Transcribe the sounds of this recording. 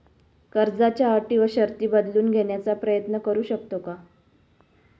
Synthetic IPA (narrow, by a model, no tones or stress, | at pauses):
kəɾd͡zat͡ɕjaːʈiːʋəɕəɾt̪iːbəd̪luːnɡʱeɳjat͡sapɾəjət̪nəkəɾuːɕək̚t̪oka